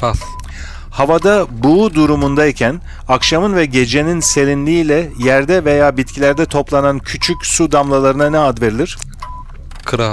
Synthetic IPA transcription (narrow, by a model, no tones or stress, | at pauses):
a | havad̪abud̪uɾumund̪aicʰæn | akʃamɯnvɛɟe̞d͡ʒe̞ninse̞lʲinlʲiːlʲɛjæɾd̪ɛve̞jaːbit̪̚cʰilʲæɾd̪ɛt̪ʰo̞plˠanancʰyt͡ʃʰycʲsud̪amlˠalˠaɾɯnanɛad̪ve̞ɾilʲiɾ̥ | kʰɾa